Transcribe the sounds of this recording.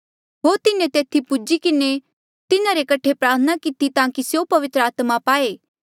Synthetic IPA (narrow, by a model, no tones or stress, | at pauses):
ɦoːɾt̪ɪnẽt̪eːt̪ʰipʊd͡ʒikɪne | t̪ɪnãɾekɐʈʰepɾaːɾt̪ʰənakɪt̪it̪ãːkisjopɐʋɪt̪ɾəaːt̪mapaːeː